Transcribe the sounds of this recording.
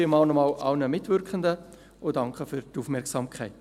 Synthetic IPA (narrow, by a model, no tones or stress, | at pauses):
imɑːlnɔmɑːlʔɑwnəmɪtʋʏɾkχəndə | ʊdɑŋkχəfyɾtufmɛɾksɑːmkʰχɛɪt